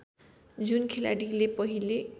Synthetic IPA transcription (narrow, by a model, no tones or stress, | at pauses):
d͡zunkʰela̰ɽilepʌɦile